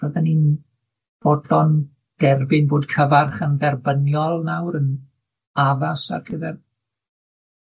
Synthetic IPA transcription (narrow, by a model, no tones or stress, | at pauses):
əðɛnin | b̥ɔdɔn | d̥ɛrbɪnboːdkʰəvarχənðɛrbənjɔlˠnawɾən | avasa̰rɡ̥əðɛr